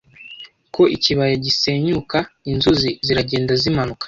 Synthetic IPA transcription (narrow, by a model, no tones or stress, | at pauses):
ko̞ʔiciβajaɟise̞ɲukainzuziziɾaɟe̞ːndazimanukḁ